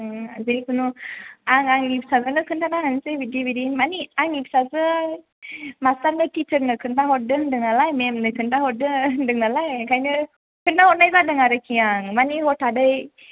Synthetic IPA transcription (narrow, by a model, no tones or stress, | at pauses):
ɯazejkʰɯnuaŋaŋipsazɯnɯkʰɯntanaɦansɯbidjobiɾinmaniaŋip̚sazɯ | mastaɾnɯtit͡ʃəɾnɯkʰɯndaɦɔdɯndɯŋnalajmemnɯkʰɯntaɦɔdɯdɯŋnalajkʰajnɯ | kʰɯndaɦɔt̚najbadɯŋaɾɯkʰiaŋmaniɦɔtadɯj